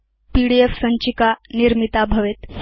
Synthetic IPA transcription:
piɽiefsəɲt͡ɕikaniɾmit̪abʱəʋet̪

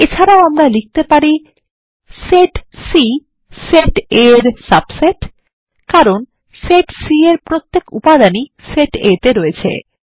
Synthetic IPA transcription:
et͡ɕʰaɾaoamɾalik̚t̪epaɾi | seʈsi | seʈeɾsabseʈ | kaɾon | seʈsieɾpɾot̪ːekṵpad̪aniseʈḛt̪eɾoet͡ɕʰḛ

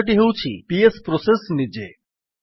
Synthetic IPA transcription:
ʈ̬iɦeut͡ɕʰḭpiespɾɔsesnid͡ʑḛ

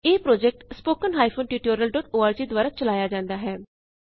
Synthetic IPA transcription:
eːpɾoːd͡ʒɛk̚ʈspoːkənɦaːipʰoːnʈiːʈoːɾijəlɖɔːʈoːaːɾd͡ʒiːd̪waːɾaːt͡ʃəlaːjaːd͡ʒãːnd̪aːɦɛː

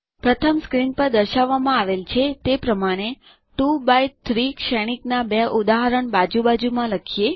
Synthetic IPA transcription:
pɾət̪ʰəmskɾinpəɾd̪əɾʃaʋːamãaʋelt͡ʃʰet̪epɾəmaɽ̃e | ʈubajt̪ʰɾikʃɛɽ̃iknabeʔud̪aɦəɾəɳbad͡ʒubad͡ʒumãləkʰije

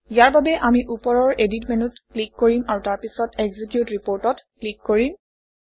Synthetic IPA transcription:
ijaɹbabɛʔamiʔupɔɹɔɹeditmenutklikːoɹimaɹutaɹpisɔteɡzikjutɹipoɹtɔtklikːoɹim

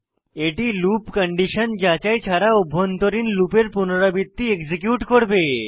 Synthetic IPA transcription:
eʈilupkəɳɖiʃond͡ʑat͡ɕajt͡ɕʰaɾaubʱːont̪oɾinlupeɾpunoɾabit̪ːiekd͡ʑikjuʈkoɾbe

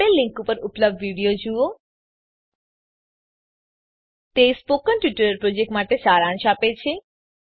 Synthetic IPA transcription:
elːĩŋkupəɾupləb̚ɖʋiɽijod͡ʒuo | t̪espokənʈʋiʈəɾəɾpɾod͡ʒek̚ʈmaʈesaɾãnʃapet͡ʃʰe

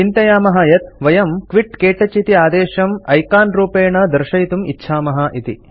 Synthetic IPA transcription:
t͡ʃint̪ɐjaːmɐɦɐjɐt̪ʋɐjɐmkʋiʈkeːʈɐt͡ʃit̪iaːd̪eːʃɐmɐjkaːnɾuːpeːɳɐd̪ɐɾʃɐjt̪umitːʃʰaːmɐɦɐʔit̪ḭ

